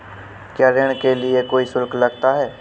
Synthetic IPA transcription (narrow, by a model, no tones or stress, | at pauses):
kjaːɾɪɽ̃keliekoːisʊlklɐɡt̪aɦɛː